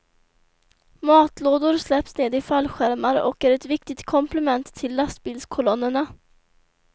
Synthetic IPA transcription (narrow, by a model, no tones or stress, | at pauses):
mɑːt̪loːd̪ʊɾslɛpsneːd̪ɪfalːɧæɾmaɾɔ̰kæɾɛt̪vɪk̚t̪ɪɡt̪kʰɔmpʰlɛmɛnt̪ʰːɪlːast̪̚biːlskʰɔlɔnːəɳa